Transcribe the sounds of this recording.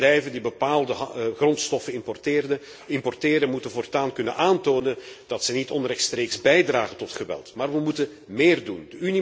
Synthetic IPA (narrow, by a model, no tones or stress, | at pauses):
rɛjvəndibəpaːlˠdəɦɣrɔntstɔfənɪmpɔrtɪːrdə | ɪmpɔrteːɾənmutənvɔːrtaːnkɵnənʔaːntoːnənd̥ɑtsɛnitɔnrɛtstreːksbɛjdraːɣəntɔtxəʋɛ̰lˠtmaːrʋəmutən | meːrdundəyni